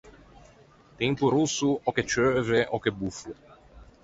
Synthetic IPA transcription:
t̪ɛmpuɾusːuɔket͡ʃøːveʔɔkebufu

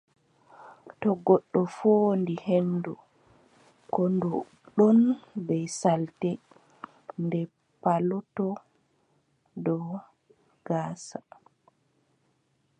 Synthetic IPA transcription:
tɔɡɔɗːɔfondihenːdu | kɔndɔ | ɗɔnbɛjsaltɛ | ndɛ | palɔtɔ | dɔ | ɡ̥aːsa

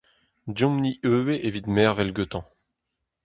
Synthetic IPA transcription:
d̪jɔ̃mniʔøːweʔevid̪mɛːʁvɛlɡøt̪ɑ̃

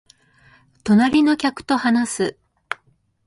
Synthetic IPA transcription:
t̪o̞naɾʲino̞kʲakɯ̟̥t̪o̞hanasɨ

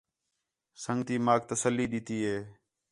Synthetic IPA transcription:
səŋɡt̪iːmaːk̚t̪əsəlːiːɗɪt̪iːɦeː

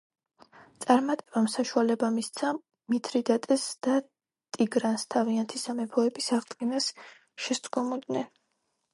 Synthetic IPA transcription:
t̪sʼaɾmat̪ʼɛb̥amsaʃualɛbamist̪sʰa | mit̪ʰɾid̪at̪ʼɛsd̪̥a | t̪ʼiɡɾanst̪ʰaviant̪ʰisamɛpʰɔɛbisaʁd̪ɡinas | ʃɛst̪ʼɡɔmɔd̪nɛn

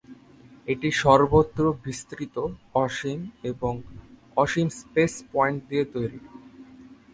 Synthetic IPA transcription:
eʈiʃɔɾbot̪ːɾobist̪ɾit̪oɔʃimeboŋ | ɔʃimspespɔeɳʈ̚d̪iet̪ojɾi

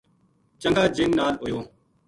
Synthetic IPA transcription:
t͡ʃəŋɡaːd͡ʒɪnːaːloːjoː

